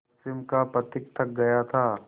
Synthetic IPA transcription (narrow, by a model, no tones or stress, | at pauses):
sɪmkapɾɐt̪ɪk̚t̪ʰɐk̚ɡɐjat̪ʰaː